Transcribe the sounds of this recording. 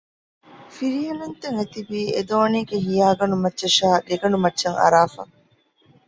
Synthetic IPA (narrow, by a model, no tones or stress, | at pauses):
fiɾijɐnɐnt̪eŋet̪ibiːed̪oːniːɡeɦijaːɡɐɳumɐtːʃɐʃaːdeɡɐɳɖumɐtːʃɐŋɐ̰ɾaːfɐ̰